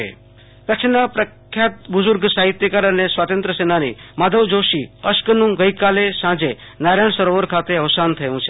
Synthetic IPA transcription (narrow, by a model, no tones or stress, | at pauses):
ḛ | kəkt͡ʃʰnapɾəkkʰːjat̪̚bʊzʊɾɡsaɦit̪jəkaɾənesʋat̪ənt̪ɾəsenanḭmad̪ʱəʋd͡ʒoʃiəʃkənũɡəjkalesãd͡ʒe | naɾəɳ̃səɾoʋəɾkʰat̪eəʋsant̪ʰəjũt͡ʃʰe